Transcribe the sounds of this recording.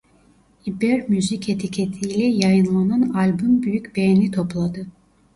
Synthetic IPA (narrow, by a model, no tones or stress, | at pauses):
ibeɾmyzicʰet̪ʰicʰet̪ʰijlʲɛjajɯnlˠananalʲbumbyjycbejnit̪ʰo̞plˠad̪ɯ